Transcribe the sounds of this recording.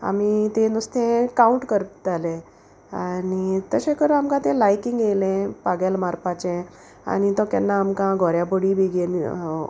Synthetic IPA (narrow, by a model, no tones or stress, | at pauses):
a̰mit̪enust̪ʰẽkauɳʈkəɾt̪alẽ | anit̪əɕẽkəɾamkãt̪ẽlajkiŋɡelɛ̃paɡalmaɾpat͡ɕɛ̃ | a̰nit̪ɔkɛ̰nːaːmkãɡʱɔɾjaboɽibʱiɡen